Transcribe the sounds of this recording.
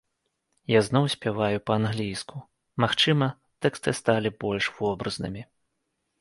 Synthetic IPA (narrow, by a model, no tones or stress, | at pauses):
jaznɔwsʲpʲɛvajupɐanɣlʲijsku | maxt͡ʂɨmɐ | t̪ɛkst̪ɨst̪alʲibɔlʲʂvɔbɾɐznɨ̰mʲi